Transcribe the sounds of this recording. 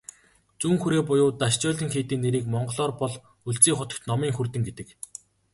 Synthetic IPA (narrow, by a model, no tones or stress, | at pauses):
t͡suːŋxuɾeːpʊjʊːt̪aʃt͡ɕɔːɮĭŋxeːt̪iːnːeɾiːkmɔɴɢɞ̆ɮɔːrpɔɮ | uɮt͡siːχʊt̪ə̆kt̪nɔmiːŋxurt̪ɘ̆ŋɡet̪ɘ̆k